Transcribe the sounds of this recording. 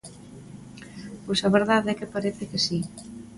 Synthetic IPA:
posaβeɾðaðɛkepaɾeθekesi

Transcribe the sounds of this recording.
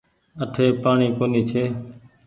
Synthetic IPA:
əʈʰeːpaːɳiːkoːniːt͡ʃʰeː

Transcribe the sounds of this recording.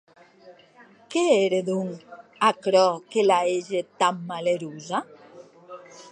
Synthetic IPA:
keeɾeðuŋakɾɔkelaeʒet̪amːaleɾuza

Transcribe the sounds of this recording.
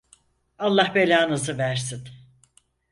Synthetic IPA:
alˠːahbelʲaːnɯzɯvæɾsin

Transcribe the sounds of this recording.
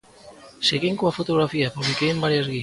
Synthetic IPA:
seɣiŋkoafot̪oɣ̞ɾafiapuβlikejembaɾjazɣi

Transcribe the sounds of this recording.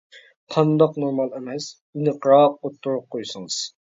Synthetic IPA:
qʰɑnd̪ɑqnoɾmɑlˠɛmɛs | inɨqʰɾɑot̪ʰːuɾup̚qʰojsɨŋɨz̥

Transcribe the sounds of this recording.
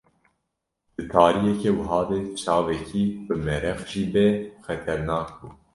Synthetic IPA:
d̪̥ɨt̪ʰɑːɾijɛkewɨɦɑːd̪eːt͡ʃʰɑːvɛkʰiːbɨmɛɾɛxʒiːbɛxɛt̪ʰɛɾnɑːk̚buː

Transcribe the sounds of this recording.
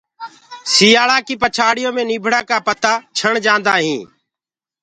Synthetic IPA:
siːaːɭaːkiːpət͡ʃʰaːɽɪjõːmẽːniːbʱɽãːkaːpət̪aːt͡ʃʰəɳd͡ʒãːnd̪aːɦĩː

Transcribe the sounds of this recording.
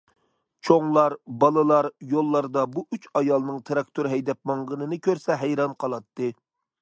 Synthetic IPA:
t͡ʃʰoŋlˠɑɾbɑlˠɨlˠɑɾjolˠːɑɾd̪ɑbuʔyt͡ʃɑjɑlˠnɨŋt̪ʰɨɾɑk̚t̪ʰoɾɦɛjd̪ɛp̚mɑŋʁənɨnɨkʲʰøɾsɛɦɛjɾɑnqʰɑlˠɑt̪ːɨ

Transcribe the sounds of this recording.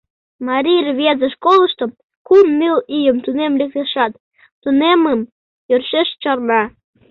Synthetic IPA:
mɑɾʲirʲβʲezə̆ʃkolˠɤ̆ʃt̪om | kumːilijə̆mt̪unemlʲĕk̚t̪eʃɑt̪ː | uneməm | jørʃeʃt͡ɕɑrmɑ

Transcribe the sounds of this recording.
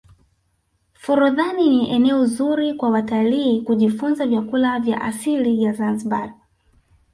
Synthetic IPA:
fuɾuðaniniʔɛnɛɔzuɾikwawataliːkuʄifunzavjakulavja̰ʔasilivjazanziɓa

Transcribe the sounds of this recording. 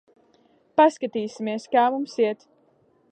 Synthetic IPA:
paskat̪iːsimiɛskaːvumsiɛt̪

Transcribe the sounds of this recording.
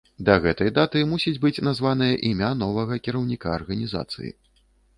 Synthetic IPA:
d̪ɐɣɛt̪ɐjd̪at̪ɨmusʲid͡zʲbɨt͡sʲnazvanɨjɐʔimʲan̪ɔvɐɣɐkʲiɾɐwnʲikaːrɣɐnʲiza̰t̪sɨ̰jḭ

